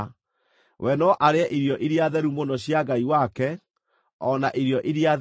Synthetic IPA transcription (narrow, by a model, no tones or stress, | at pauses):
wʔɛnɔʔaɾeaʔiɾjɔʔiɾiaðɛɾumonɔɕjaɡaiwakɛ | ɔnaʔiɾiɔʔiɾia